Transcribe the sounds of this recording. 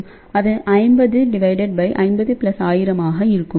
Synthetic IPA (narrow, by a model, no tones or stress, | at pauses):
ɐðɯʔɐɪmbɐðɯɖɪʋɐɪɖɛɖ̚bɐɪʔɐ̰ɪnbɐðɯpɪlɐsaːjɪɾɐmaːɣɐɪɾɯkːɯm